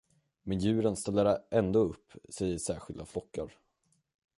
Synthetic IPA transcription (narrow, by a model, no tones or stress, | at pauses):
mɛnjʉ̟ːɾənst̪ɛlːaɾʔɛnd̪oːɵpːsɛjəʂæːɾɧɪld̪aflɔkːa̰ɾ